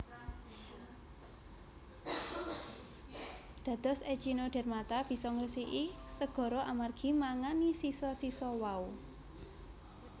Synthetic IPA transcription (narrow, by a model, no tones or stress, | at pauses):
d̪̥a̤d̪̥ɔ̤se̥t͡ʃinoɖ̥ɛ̤rmat̪ab̥i̤sɔŋrəsiʔisəɡ̥ɔ̤ɾɔʔamarɡ̥i̤maŋanisisɔsisɔwau